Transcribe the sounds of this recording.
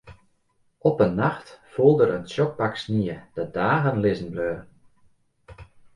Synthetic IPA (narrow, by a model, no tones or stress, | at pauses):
ɔpənːaxtfulˠdəɾənsjɔk̚paksniəd̥ədaːɣənlɪzən̩bløːr